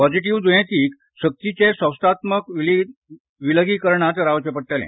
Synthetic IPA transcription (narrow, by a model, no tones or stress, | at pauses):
pɔd͡ʑiʈ̬iʋd͡z̪ujẽt̪iːk | ɕək̚t̪it͡ɕesə̃wst̪at̪məkil | ʋiləɡiːkəɾɳat̪ɾaʋt͡ɕepəʈʈ̪elḛ̃